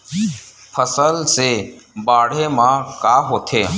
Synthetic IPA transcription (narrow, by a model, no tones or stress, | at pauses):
pʰəsəlsebaːɽ̤emãkaːɦoːt̪ʰeː